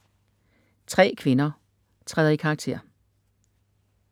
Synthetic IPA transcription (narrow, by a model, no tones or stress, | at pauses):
t͡sʰʁɛ̰ːkʰʋe̝nɐ | t͡sʰʁɛːðˠɐikʰɑ̈ɡ̥̚t͡sʰe̝ɐ̰